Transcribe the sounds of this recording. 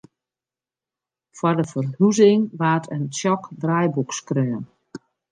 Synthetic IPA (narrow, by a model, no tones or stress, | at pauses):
fwɔrdəfərhuzɪŋʋaːtʰəntjɔkdrajbukskrøːən